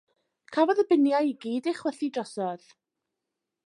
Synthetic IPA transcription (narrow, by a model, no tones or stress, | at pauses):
kʰavɔðəbɪnjajɡiːdɪχwɛθidrɔsɔð̥